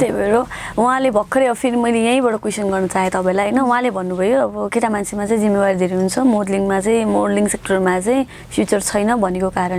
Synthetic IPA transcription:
t̪ejbʱeɾouɦãlebʱʌkʰːʌɾeʌpʰiɾmʌjlejãĩbʌɽokwesʌnɡʌrnʌt͡saːẽt̪ʌpãẽlajɦʌjnʌũɦãlebʱʌnːubʱʌjoʌbʌket̪amant͡sʰemat͡saĩd͡zimːewaɾid̪ʱeɾiɦunt͡sʰʌmodliŋɡmat͡saĩmoɽliŋɡsek̚ʈʌrmat͡saĩ | pʰjut͡sʌrt͡sʰʌjnʌbʱʌnekokaɾʌn

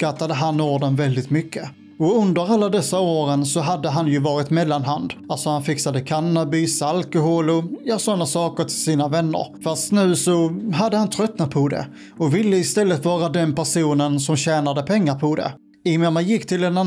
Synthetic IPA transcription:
kat̪ːad̪əɦanːoːɖənvɛld̪ɪt̪mʏkːə | ɔɵnd̪əɾalːad̪ɛsːaoːɾənsɔɦad̪ːəɦanjɵvɑːɾɪt̪mɛlːanɦand̪alt̪sɔhanfɪksad̪əkʰanːabɪsalkʊɦoːlɔjɑːsɔnːasɑːkəɾʈ̪ʰɪlsiːnavɛnːə̰ɾfast̪nʉ̟ːsɔɦad̪ːəhant̪ʰɾœt̪ːnapʰɔd̪ɛ̰ | ɔvɪlːəɪst̪ɛlːət̪vɑːɾad̪ɛnpæʂuːnənsɔmɕɛːnad̪əpʰɛŋːaɾpʰɔd̪ɛ̰ | ɪmɛmajɪkːt̪ʰɪlɛna

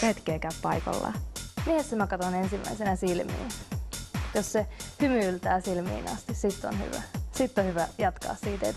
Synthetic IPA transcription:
et̪keːkæyppɑjko̰lːɑ̰miehessemækɑt̪onensimːˑæ̰isenæsilmḭːn | jossehymyylt̪æːsilmḭːnɑ̰st̪issit̪ːo̰nhy̰ʋæ̰sit̪ːohyʋæjɑt̪kɑ̰ːssiːt̪ḛt̪

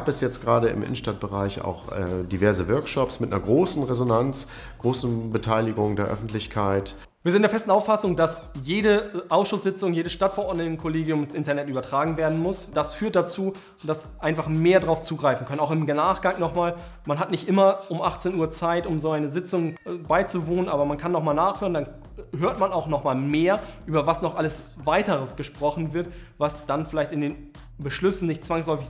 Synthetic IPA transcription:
aːpɛsjɛt͡stɡ̥ʁaːɾəɪ̰mʔɪ̰nən̩ʃtat̚b̥əʁaɪça̰ʊxɛ̰divɛɐzəvœɐkʃɔpsmɪtnɐɡʁoːsn̩ʁezonant͡s | ɡ̥ʁoːsn̩bətʰaɪlɪɡʊŋdeːɐʔœ̰fn̩tlɪçkʰaɪt | viːɐzɪntd̥eɐfɛstn̩aʊfasʊŋdasjeːɾəʔaʊsʃʊsz̥ɪt͡sʊŋjeːdəsʃtatfɛɐʔɔɐdnən̩kʰoleːɡjʊmɪnsʔɪntɐnɛtʔyːbɐtʁ̥aːɡŋ̩veːɐdn̩mʊsd̥asfyːɐt̚d̥at͡suː | d̥as | ʔaɪnfaχmeːɐdʁaʊft͡suːɡʁaɪfn̩kʰœnənaʊxɪmɡnaːχɡ̥aŋnɔχmaːl | manɦatnɪçtʔɪmɐʔʊmʔaχt͡seːnuːɐt͡saɪtʊmzoːaɪnəzɪt͡sʊŋbaɪt͡suvoːnənaːbɐmankʰanːɔχmaːlnaːχhøːʁəndan | ɦøːɐtmanaʊxnɔχmaːlmeːɐʔyːbɐvasnɔχʔaləsvaɪtəʁəsɡ̥əʃpʁ̥ɔχn̩vɪɐtvasd̥anfɪlaɪçtɪndeːn | bəʃlʏsn̩nɪçt̚t͡sv̥aŋslɔʏfɪç

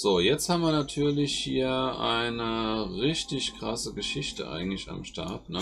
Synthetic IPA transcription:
z̥oːjɛt͡sthaːmviːɐnatʰyːɐlɪçhiːɐʔaɪnəʁɪçtɪçkʁ̥asəɡəʃɪçtə̰ʔa̰ɪɡŋ̩tlɪça̰mʃta̰ɐtnə

